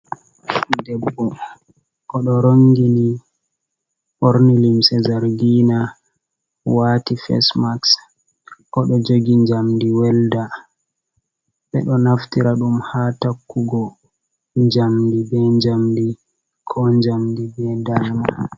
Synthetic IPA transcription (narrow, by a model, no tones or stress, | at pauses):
dɛbːɔ | ʔɔɗɔɾoŋɡini | ʔoɾnilimsɛzaɾɡina | waːtifɛ̰smaks | ʔɔɗɔd͡ʒoɡiɲd͡ʒamdiwɛlda | ɓɛɗɔnaftiɾaɗumhatakːuɡɔ | ɲd͡ʒamdibɛɲd͡ʒamdi | kʰɔɲd͡ʒamdibɛdana